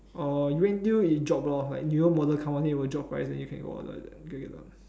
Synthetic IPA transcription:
ɔjuwɛ̃nduid͡ʒɔp̚lɔla̰ɪk̚njuəmɔdəlkʰãmpəniwəd͡ʒɔp̚pʰɹa̰ɪsdɛ̃njukʰɛ̃nɡo̰ɔ̰də̰ɡoɡɛta̰

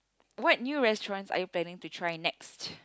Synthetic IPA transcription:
wɔt̚njuɹɛstɹɔ̃nsa̰juplɛ̃nɪ̃ŋtutʰɹaɪnɛkst

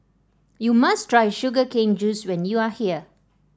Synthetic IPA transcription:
jumastʰɹajʃuɡəkẽŋd͡ʒuswɛ̃njuahiə

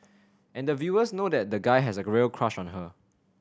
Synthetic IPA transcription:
ʔɛ̃ndəvjuəsnodɛt̚dəɡaɪɦɛsəɹelkʰɹ̥aʃɔ̃nɦə

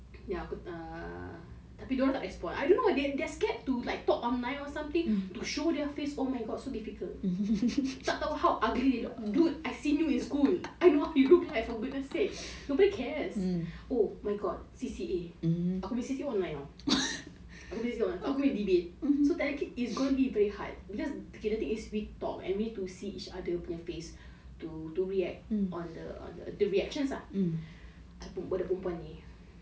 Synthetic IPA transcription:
jaakuə | t̪apidoɾat̪aʔɹɛkspɔ̃nʔa̰jdõnːowadɛdɛskɛt̚tulaɪk̚t̪ɔkɔ̃nːãjɔ̃sãmt̪ĩŋtuʃodɛəfesomajɡɔtsodifikʰəlt | tɔt̪ahawʔaɡɹidedɡudajsinjuĩnskulajnohawjuluklajfɔɡudnəseknobɔdikʰɛɹsomajɡɔd̚sisieakɔ̃mĩsisiɔ̃nlãjnɔ | akɔmbĩsiɔ̃nlãʔakɔmĩdibet̚sotɛ̃nakeisɡõnubivɛɹiha̰t̚bikɔskedat̪ĩŋiswik̚tɔ̰kɛ̰̃nmiitusiʔit͡ʃadəpɔnjɔfes | tutuɹiɛk̚t̚ɔ̃ndəɔ̰̃ndə̰dəɹiɛkʃə̃nsa | apũmwɔdəpũmpwãni

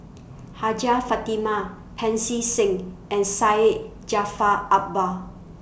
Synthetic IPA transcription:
had͡ʒafatima | pʰɛ̃nsisɪ̃ŋɛ̃nsaɪt̚ | d͡ʒafaʔap̚ba

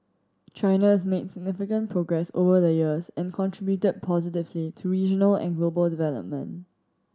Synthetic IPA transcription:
t͡ʃaɪnaɪzmedsɪɡ̚nɪfɪkə̃npʰɹoɡɹɛso̰vəðəjiəsɛ̃nkʰɔ̃ntʰɹ̥ɪbjutəd̚pʰɔzɪtɪvlitʰuɹid͡ʒənəlɛ̰̃nɡlobəldɪvɛlə̰p̚mə̰̃nt

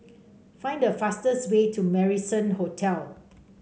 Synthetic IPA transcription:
fãɪ̃ndəfastəswetʰumɛɹisə̃nhotʰɛl

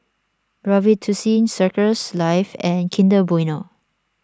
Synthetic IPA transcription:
ɹɔvitʰusĩnsəkəslaɪfɛ̃nkʰĩndəbɔjno

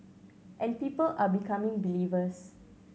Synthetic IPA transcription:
ʔɛ̃npiːpəlʔabikʰamĩŋbilivəs

